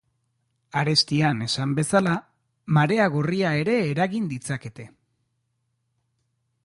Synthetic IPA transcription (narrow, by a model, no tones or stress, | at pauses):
aɾe̞st̪iane̞sambe̞sala | maɾe̞aɣoriae̞ɾe̞ːɾaɣind̪it͡sake̞t̪e̞